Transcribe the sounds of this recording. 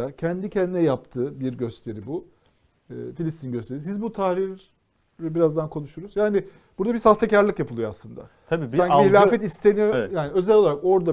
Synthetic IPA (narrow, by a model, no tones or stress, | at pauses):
acʰɛnd̪icʰɛnd̪inɛjap̚t̪ʰɯːbiɾɟø̞st̪ʰe̞ɾibu | ɯːfilʲist̪ʰinɟøst̪ʰe̞ɾis̬izbut̪ʰahɾiɾ | ɛbiɾazd̪ankʰo̞nuʃuɾuzjaːnɪ | b̥uɾd̪abisaft̪ʰacaɾlʲˠɯkjapʰɯlˠɯjoa̰slˠɯnd̪a̰ | t̪ʰabisaɲiiilʲaːfɛt̪ist̪ʰenijojaːniø̞zɛlʲo̞lˠaɾako̞ɾd̪a